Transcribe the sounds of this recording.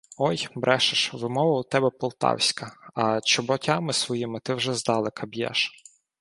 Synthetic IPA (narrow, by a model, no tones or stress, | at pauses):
ɔjbɾɛʃɪʃʋɪmɔʋɐʊt̪ɛbɛpɔlˠt̪ɑ̰wsʲkɐɐt͡ʃɔbɔtʲɑmɪsʋɔjimɪt̪ɪwʒɛzd̪ɑlˠɪkʰɐbjɛ̰ʃ